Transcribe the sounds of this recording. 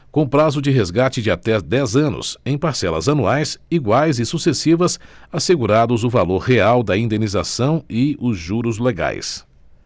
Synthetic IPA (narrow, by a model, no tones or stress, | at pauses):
kõpɾazʊd͡ʒɪɦezɡat͡ʃɪd͡ʒɪat̪ɛd̪ɛzɐ̃nʊ̰sẽj̃paɾsɛlɐ̰zɐnuajsiɡwajzɪsusesivɐsaseɡuɾad̪ʊzʊvaloɾɦeawd̪ɐĩnd̪eniza̰sɐ̃w̃ɪʊzʒuɾʊzleɡa̰js